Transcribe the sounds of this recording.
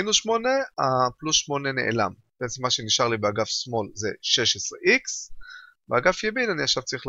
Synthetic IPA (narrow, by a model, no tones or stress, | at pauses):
inuʃmo̞neaplusʃmo̞nene̞ʔḛla̰mb̥eʔet͡semːaʃe̞niʃaʁlibeaɡafsmo̞lzeʃe̞ʃesʁeʔiks | beaɡafjebidaniaχʃavt͡saʁiχl